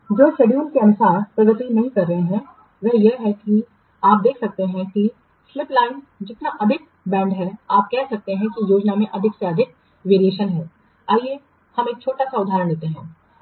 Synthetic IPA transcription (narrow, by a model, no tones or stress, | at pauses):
d͡ʒoːʃeːɖjuːnkeɐnʊsaːɾpɾɐɡət̪inɐɦĩkɐɾːɐɦeɦɛ̃ | ʋɛɦjeɦɛki | aːp̚d̪eːkʰsɐk̚t̪eɦɛ̃ki | slɪplaːɪn | d͡ʒɪt̪naʔɐd̪ʱɪk̚ | bɛ̃ːɳɖɦɛaːp̚kɛɦsɐk̚t̪eɦɛ̃kijoːd͡ʒnamẽʔɐd̪ʱɪkseɐd̪ʱɪk̚ | ʋeːɾijeːʃənɦɛː | aːie | hɐmeːk̚t͡ʃʰoːʈasaʊd̪ʱaːɾəɳ̃eːt̪eɦɛ̃ː